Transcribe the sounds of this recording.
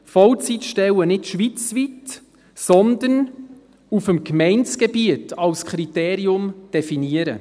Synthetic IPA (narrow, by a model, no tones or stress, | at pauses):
fɔlt͡sitʃtɛwənɪtʃʋit͡svit | sɔnd̪ən | ufəmkmɛɪnt͡sɡ̥ɛbiətʰɑlskχɾiteːɾiʊmd̥ɛfiniəɾə̰